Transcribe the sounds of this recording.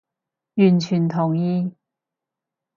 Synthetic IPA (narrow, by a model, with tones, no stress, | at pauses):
jyː˨˩nt͡ʃʰyː˨˩nt̪ʰʊ˨˩ŋjiː˧